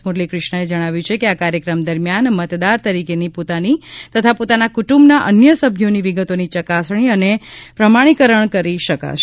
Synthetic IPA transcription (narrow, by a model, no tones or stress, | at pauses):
muɾlikɾɪʃɳəed͡ʒəɽ̃aʋjũt͡ʃʰekeakaɾjəkɾəmd̪əɾmjanmət̪d̪aɾt̪əɾikenipot̪anit̪ət̪ʰapot̪anakuʈumbnaʔənjəsəbʱjoniʋiɡət̪onit͡ʃəkasɳ̃iənepɾəmaɽ̃ikəɾəɳkəɾiʃəka̰ʃ